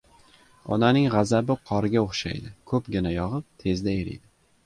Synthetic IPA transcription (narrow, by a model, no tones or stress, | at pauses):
ɒ̰nanɪŋʁɑzabɪqʰɒɾɪɡʲaoχʃa̰jd̪ɪkʰɵpɡʲɪnajɒʁɨp̚t̪ʰe̞zd̪aeɾɪ̰jd̪ɪ